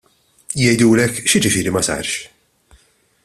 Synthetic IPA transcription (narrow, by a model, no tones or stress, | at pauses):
jɛjd̪uːlɛkːʃɪd͡ʒɪfɪːɾimɐsɐ̰ːɾʃ